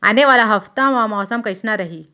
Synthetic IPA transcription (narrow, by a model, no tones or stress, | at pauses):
a̰neʋalaɦəft̪amʋamawsamkəjsnaɾaɦiː